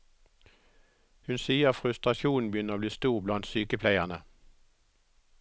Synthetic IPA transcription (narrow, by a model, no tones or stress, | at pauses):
hʉnsiːəfʁʉst̪ʁɑʃuːnn̩bəjʏnəʁoːbliːst̪uːʁblɑnd̪syːkəpʰlæɪənə